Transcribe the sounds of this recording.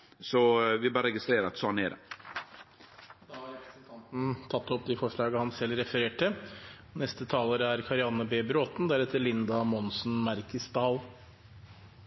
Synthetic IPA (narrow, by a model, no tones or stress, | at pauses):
sɔʋɪbɑːɾɾɛɡɪst̪ɾeːɾɑt̪sɔnḛɾɛ̰ | d̪ɑːhɑɾɛpɾɛsnt̪ʰɑnt̪n̩t̪ʰɑt̪ːɔpd̪ɪfɔʂɭɑːɡəhɑnsɛlːɾɛfəɾeːʈəɔnɛst̪ət̪ʰɑːləɾəæɾkʰɑɾɪɑnːəbeːbɾoːt̪n̩d̪æɾɛt̪ːəɭɪnd̪ɑmɔnsn̩mæɾkəsd̪ɑːl